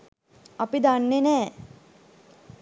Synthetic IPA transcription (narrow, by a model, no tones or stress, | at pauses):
apid̪anːenɛː